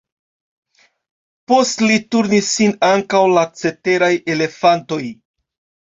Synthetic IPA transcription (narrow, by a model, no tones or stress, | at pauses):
po̞stlituɾnisːinaŋkawlat͡se̞te̞ɾaje̞le̞fanto̞j